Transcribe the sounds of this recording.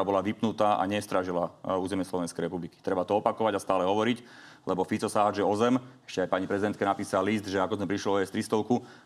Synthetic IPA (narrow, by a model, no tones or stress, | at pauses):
aːbɔlaʋipnut̪aːʔa̰ɲɛst̪ɾaʒilauːzɛmɪɛslɔʋɛnskɛjɾɛpubliki̥t̪ɾɛbat̪ɔɔpakɔʋaɟast̪aːlɛɦɔʋɔɾic | lɛbɔfit͡sɔsaːd͡ʒɛɔzɛmɛ̥ʃcɛajpaɲipɾɛzid̪ɛnt̪kɛnapiːsalisd̪ʒɛakɔzmɛpɾiʃlɔɔjɛst̪ɾist̪ɔʊku